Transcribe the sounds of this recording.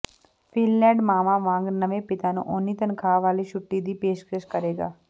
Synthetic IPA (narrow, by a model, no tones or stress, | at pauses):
fʰiːlːɛ̃ːɖmaːmaʋãːŋɡnɐʋepɪt̪anṵ̃ʔoːnit̪ənkʰaːʋaːlit͡ʃʰʊʈːid̪ipeːʃkeʃkəɾeːɡa̰ː